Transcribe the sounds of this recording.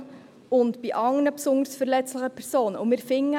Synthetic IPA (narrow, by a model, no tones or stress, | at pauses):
ʊntb̥iʔɑŋnəpsʊndəɾsfəɾlɛt͡sləχəpʰɛɾsoːnʊ̰mɪɾfɪŋːə